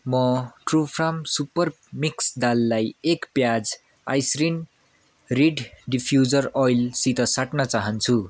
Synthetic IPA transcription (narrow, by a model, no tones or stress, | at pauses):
mʌʈrupʰramsupʌr | miksd̪alːajekpjad͡z | a̰jsrin | riɖɖipʰjud͡zʌrɔjlsit̪ʌsaʈnʌt͡saɦʌnt͡sʰu